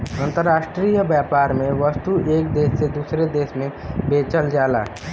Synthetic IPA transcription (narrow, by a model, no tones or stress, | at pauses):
ə̃nt̪əɾːaːʃʈɾiːjəbjaːpaːɾmẽʋəst̪uʔeːk̚d̪eːsːed̪uːsɾed̪eːʃmẽbeːt͡ʃəld͡ʒaːla̰ː